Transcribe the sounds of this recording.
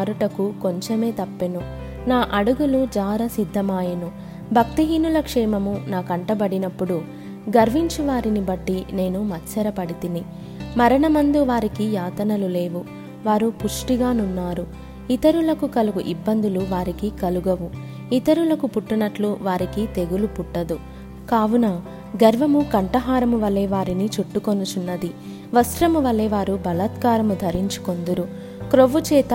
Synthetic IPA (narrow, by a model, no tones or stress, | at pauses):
ɾuʈɐkuko̞ɲt͡ʃeme̞ːt̪ɐpːenu | naːʔɐɽuɡulud͡ʒaːɾɐsid̪ʱːɐmaːjɐnu | bʱɐk̚t̪iɦiːnulɐkʂɛːmɐmunaːkɐɳʈɐbɐɽinɐpːuɽu | ɡɐɾʋiɲt͡ʃuʋaːɾinibɐʈːine̞ːnumɐt͡ʃɐɾɐpɐɽit̪ini | mɐɾɐɳɐmɐnd̪uʋaːɾikijaːt̪ɐnɐlule̞ːʋu | ʋaːɾupuʂʈiɡaːnunːaːɾu | it̪ɐɾulɐkukɐluɡuʔibːɐnd̪uluʋaːɾikikɐluɡɐʋu | it̪ɐɾulɐkupuʈːunɐʈluʋaːɾikit̪e̞ɡulupuʈːɐd̪u | kaːʋunaː | ɡɐɾʋɐmukɐɳʈɐɦaːɾɐmuʋɐlːeːʋaːɾinit͡ʃuʈːukonut͡ʃunːɐd̪i | ʋɐsɾɐmuʋɐlːeːʋaːɾubɐlɐt̪kaːɾɐmud̪ʱɐɾiɲt͡ʃu̥ko̞nd̪uɾu | kɾoʋut͡ʃɛːt̪ɐ